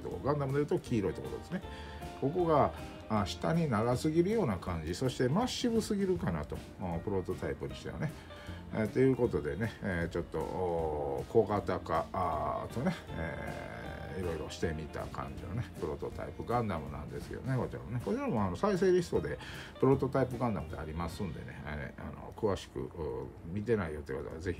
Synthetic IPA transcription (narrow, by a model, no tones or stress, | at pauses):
t̪okoɡãnd̪amɯd̪ejɯt̪okʲiːɾo̞it̪okoɾod̪e̞sɨne | ko̞ko̞ɡaː | ɕi̥t̪aɲ̟inaɡasɨɡʲiɾɯ̟jo̞ːnakãɲ̟d͡ʑiso̞ɕi̥t̪e̞maɕːibɯ̟sɨɡʲiɾɯ̟kana̰t̪o̞ | pɯ̟ɾo̞t̪o̞t̪aipɯ̟ɲ̟iɕi̥t̪ḛmo̰ne | t̪e̞jɯ̟ːko̞t̪o̞d̪e̞ne̞t͡ɕo̞t̪ːo̞̰ | ko̞ɡat̪akat̪o̞ne̞ḛ | iɾo̞iɾo̞ɕi̥t̪e̞mʲit̪a̰kʰã̰ɲ̟d͡ʑino̞nepɯ̟ɾo̞t̪o̞t̪ʰa̰ipɯ̟ɡãnd̪amɯ̟̰nã̰nd̪e̞sɨ̥kḛd̪one̞ko̞t͡ɕiɾa̰moneko̞t͡ɕiɾamoano̞sais̬e̞ːɾʲiso̞d̪e̞ | pɯ̟ɾo̞t̪o̞t̪aip̬ɯ̟ɡãnd̪amɯ̟d̪eaɾʲimasɨ̃nd̪e̞̰ne̞̰a̰no̞̰kɯ̟βaɕi̥kɯ̟̰mʲit̪e̞naijo̞t̪eji̟kot̪o̰a̰βaze̞çʲi